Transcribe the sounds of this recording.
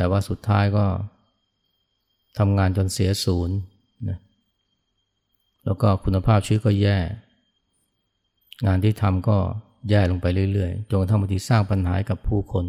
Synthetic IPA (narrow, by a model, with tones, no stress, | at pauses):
t̪ɛː˨˩waː˥˩su˨˩t̪ʰːaː˦˥jkɔː˥˩ | t̪ʰa˧mŋaː˧nt͡ɕo˧nsi˩˦ɐsuː˩˦n | na˦˥ | lɛː˦˥wkɔː˥˩kʰu˧nːa˧pʰaː˥˩p̚t͡ɕʰɯː˦˥˩kɔː˥˩jɛː˥˩ | ŋaː˧nt̪ʰiː˥˩t̪ʰa˧mkɔː˥˩ | jɛː˥˩lo˧ŋpa˧jɾɯ˥˩˨jɾɯ˥˩əjt͡ɕo˧nkt̪ʰa˥˩ma˧˩t̪ʰiː˧saː˥˩ŋpa˧nɦaː˩˦˥ka˨˩pʰːuː˥˩kʰo˧n